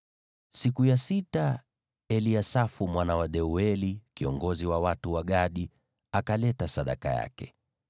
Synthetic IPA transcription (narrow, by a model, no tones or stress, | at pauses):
sikujasita | ɛliasafumwanawaɗɛuɛlikiɔŋɡɔziwawatuwaɠaɗi | akalɛtasaɗa̰ka̰ja̰kɛ